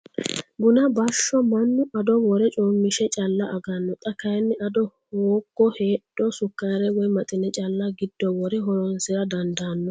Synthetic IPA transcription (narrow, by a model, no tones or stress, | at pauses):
bʊnɐbɐʃːɔmɐnːʊʔɐd̪ɔwɔɾɛt͡ʃʼoːmːɪʃɛt͡ʃʼɐlːɐʔɐɡɐnːɔt̪ʼɐkɐjnːɪʔɐd̪ɔhoːɡːɔheːɗːɔsʊkːaːɾɛwɔjmɐt̪ʼɪnɛt͡ʃʼɐlːɐɡɪd̪ːɔwɔɾɛɦɔɾɔnsɪɾɐd̪ɐnd̪aːnːɔ